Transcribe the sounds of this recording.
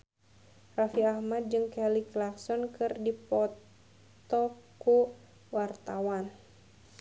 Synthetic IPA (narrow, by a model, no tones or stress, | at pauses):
rafiahmat̪̚d͡ʒɨŋkɛliklaksɔnkʰɨrdipɔt | t̪ɔku | wart̪awan